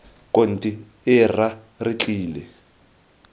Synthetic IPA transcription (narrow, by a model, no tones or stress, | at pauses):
kʼon̩tʼi | ɪra | rit͡ɬʼiːlɛ